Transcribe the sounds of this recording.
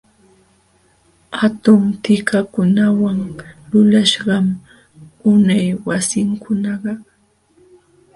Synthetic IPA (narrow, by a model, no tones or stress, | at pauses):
hat̪ʊmt̪ɪkakʊnawaŋlʊlaʃɢɑm | ʊnajwasɪŋkʰʊnɑɢɑ